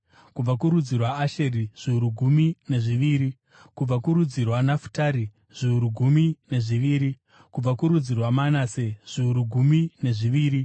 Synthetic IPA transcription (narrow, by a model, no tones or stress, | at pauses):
kub͡vakuɾud͡zirwaaʃeriʐ̥iuɾuɡʱumine̞ʐiʋiːɾi | kub͡vakuɾud͡zirwanafu̥taːɾi | ʐ̥iuɾuɡʱumine̞ʐiʋiːɾi | kub͡vakuɾud͡zirwamanaseʐ̥iuɾuɡʱumine̞ʐiʋiːɾi